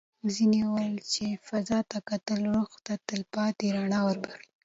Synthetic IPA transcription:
zinewajlt͡ʃefazɑt̪akat̪əlɾoxt̪at̪əlpɑt̪eɾaɳɑwəɾbaxi̥

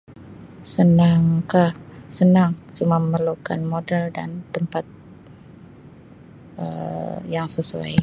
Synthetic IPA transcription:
sənaŋkahsənaŋsuməməlukanmodɛlda̰nt̪əmpat̪̚ | ə̰jaŋsəsua̰j

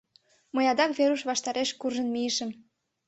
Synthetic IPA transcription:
mɤjɑd̪ɑkβeɾuʃβɑʃt̪ɑɾeʃkurʒə̆nmijəʃə̆m

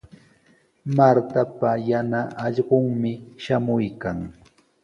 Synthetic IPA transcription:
maɾt̪apajanaʔːʎɢoŋmɪʃamʊjkaŋ

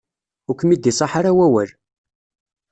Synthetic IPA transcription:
ʊkʷːmid̪isˤɑħaɾawæwæl

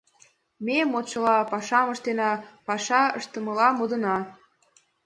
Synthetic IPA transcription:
memot͡ɕɤlɑpɑʃɑməʃt̪enɑpɑʃɑəʃt̪ə̆mə̆lɑmod̪ə̆nɑ

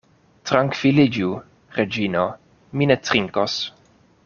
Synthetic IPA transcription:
t̪ɾaŋkvilid͡ʒu | ɾed͡ʒino | minet̪ɾiŋkos

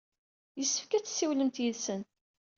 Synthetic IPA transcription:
jəsːəfkæt͡sːsːiwləmt̪jiðsənt̪̚

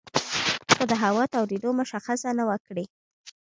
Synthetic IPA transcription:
kod̪əɦawɑt̪awɾid̪omʊʃaxasanawakɽi

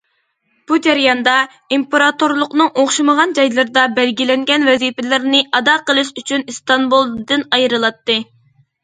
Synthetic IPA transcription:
b̥ud͡ʒæɾjɑnd̪ɑ | impeɾɑt̪oɾlˠʊqnɨŋoχʃɨməʁɑnd͡ʒɑjlˠɨɾd̪ɑbælɡʲilɛŋɡʲɛnvɛzipɪlɪɾnɪʔɑd̪ɑqəlˠɨʃyt͡ʃʰynist̪ɑnbulˠd̪ɨnɑjɾɨlˠɑt̪ːɨ

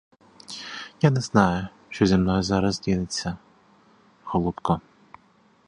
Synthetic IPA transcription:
janɛznɑjʊ | ʃt͡ʃɔzʲimnɔjʊzɑɾɐzdʲinɪt͡sʲːɐ | hɔlˠut̪kɔ

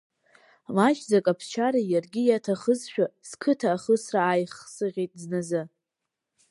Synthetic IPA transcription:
laʒd͡zakʼapʰst͡ʃʰaɾajarɡʲijatʰaχəzʃᶣaskʰɨtʰaːχəsraːjχsɨʁʲejtʼznazɨ

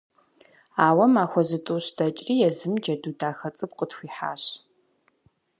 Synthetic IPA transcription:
aːwɐmaːxʷɔzɨtʼuɕdɐt͡ʃʼriːjɛzɨmd͡ʒɐdudaːxɐt͡sʼɨkʷʼqʼətxʷiːħa̰ːɕ

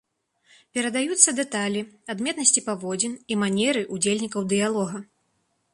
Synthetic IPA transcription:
pʲɛɾɐd̪ajut̪sːɐd̪ɛt̪alʲiad̪mʲɛt̪nɐsʲt͡sʲipavɔd͡zʲinimanʲɛɾɨʔud͡zʲelʲnʲikɐwd̪ɨjalˠɔɣɐ

